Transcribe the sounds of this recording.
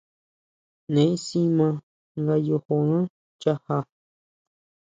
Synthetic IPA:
nẽ˨ĩ˦si˦mã˧ | ŋɡa˧jo˧ho˧nã˦ | t͡ʃa˦ha˧

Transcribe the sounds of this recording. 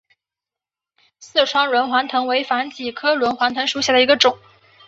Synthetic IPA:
sɹ̩˥˩ʈ͡ʂʰwɑ˥ŋɻwə˧˥nxwa˧˥nt̪ʰɤ˧˥ŋwe˧˥ɪfa˧˥nt͡ɕi˨˩kʰɤ˥ɻwə˧˥nxwa˧˥nt̪ʰɤ˧˥ŋʂu˧˥ɕja˥˩d̪ə˩i˧˥ɡə˧ʈ͡ʂʊ˨˩˦ŋ

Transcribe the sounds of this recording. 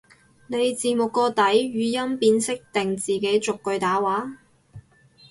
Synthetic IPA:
ne˨˧jt͡siː˨˩mʊ˨kːɔː˧t̪ɐ˨˥jɥyː˨˧jɐ˥mpiː˧nsɪ˥k̚t̪ɪ˨ŋt͡siː˨ke˨˥jt͡sʊ˨kːɵ˧ɥt̪aː˨˥waː˨˥

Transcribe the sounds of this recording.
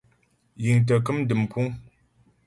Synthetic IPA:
ji˨ŋt̬ə˨k̬ɨ˦m˦dɨ˨mpʰu˦ŋ

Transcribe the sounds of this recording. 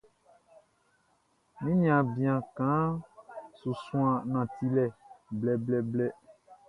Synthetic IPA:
mĩ˦nĩ˦ã˨bĩ˨ã˨kã˨˦ | su˨sũ˦ã˨nã˨ti˦lɛ˨blɛ˨blɛ˦blɛ˦

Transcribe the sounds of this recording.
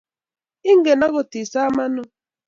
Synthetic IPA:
i˦ŋ˦ɡe˨na˦ɣo˨ti˨sa˦ma˦nʊ˦

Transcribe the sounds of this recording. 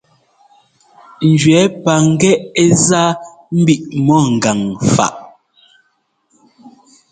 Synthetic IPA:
n̩˨d͡ʒɥɛ˨˦pa˨ŋ̩˦ɡɛ˦e˦zaː˦ | m̩˦bi˦˨ʔmɔ˦˨ŋ̩˨ɡa˨ŋfa̰˨ʔ

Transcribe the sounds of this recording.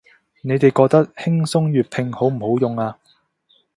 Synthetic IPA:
ne˨˧jt̪e˨jkɔː˧k̚t̪ɐ˥k̚hɪ˥ŋsʊ˥ŋjyː˨t̚pʰɪ˧ŋho˨˥wm̩˨˩ho˨˥wjʊ˨ŋaː˧

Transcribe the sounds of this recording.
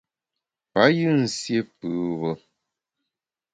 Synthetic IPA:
pa˨˦jɨ˦n̩˨sje˦pɨ˨βɔ˦

